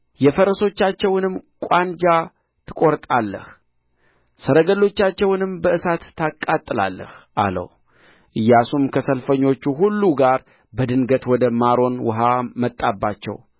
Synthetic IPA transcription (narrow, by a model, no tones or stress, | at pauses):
jɛfəɾəso̞t͡ʃːat͡ʃːɛwnɨmkʷʼand͡ʒa | t̪ʰɨ̥kʼo̞ɾt̪ʼalːə̰h | səɾəɡəlːo̞t͡ʃːat͡ʃːɛwnɨmbəɨsat̪ːakʼːat̪ʼːɨla̰lːə̰hʔa̰lə̰w | ʔɨjːasumkʰəsəlfəɲːo̞t͡ʃːuɦulːuɡaɾ | bəd̪ɨnɡət̪wɔd̪əmaɾo̞nwʊ̰ɦamət̪ʼːabːat͡ʃːɛ̰w